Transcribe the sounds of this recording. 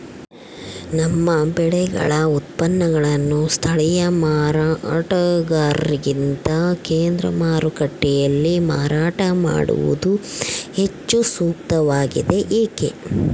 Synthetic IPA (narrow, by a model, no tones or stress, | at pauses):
nɐmːɐbɛɭɛɡɐ̰ɭɐut̪̚pɐnːɐɡɐɭɐnːust̪ʰɐɭɛjɐmaːɾaʈɐɡaːɾɾiɡint̪ɐkeːnd̪ɾɐ̰maːɾukɐʈːɛjɐlːimaːɾaːʈɐma̰ːɽṵʋṵd̪uhe̞t͡ʃːusuːk̚t̪ɐʋaːɡid̪e̞ʔeːke